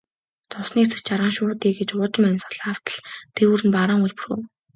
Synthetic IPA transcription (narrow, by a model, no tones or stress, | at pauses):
t͡sʊwsniːkt͡sʰɘ̥̆kt͡ɕaɾʁaːŋʃʊːt̪iːɡet͡ɕʊt͡ɕɪ̆mæmʲsə̥̆ɮaw̥t̪ə̥̆ɮt̪ʰewuɾɘ̆npaɾaːŋuɮpuro̰